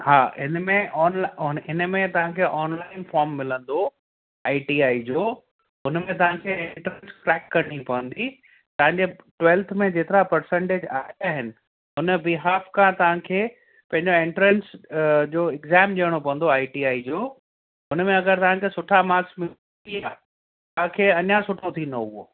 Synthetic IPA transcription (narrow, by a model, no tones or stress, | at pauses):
haːɦɪnmẽɔːnlnɦɪnəmẽt̪ɐʋ̤ãkʰeːʔɔːnlaːɪnfɔːɾmːɪlə̃nd̪o | aːiʈiːaːid͡ʑoː | ɦʊnmẽt̪̬ɐʋ̤ãkʰeɪɳʈɾnsʈɾɛːkːɐɾɽ̃ipɐʋə̃nd̪i | t̪ɐʋãɲd͡ʑeʈwɛːlt̪ʰmẽd͡ʑeːt̪ɪɾapɐɾsẽɳʈeːd͡ʑaːɦaːɦɪnɪ̆ | ɦʊnəbɪɦaːfkʰãt̪ɐʋãkʰeː | pɐ̃ɦɪ̃ɲd͡ʑoɪ̃ɳʈɾə̃nsd͡ʑoːɪkzɛːmd͡ʑiəɽ̃opɐʋə̃n̆d̪oaːiʈiːaːid͡ʑoː | ɦʊnmẽɐɡəɾt̪ɐʋ̤ãkʰeːsʊʈʰamaːksmɪ | iaː | t̪ãkʰeːɐɲãsʊʈʰot̪ʰĩːnd̪oʊɦo̰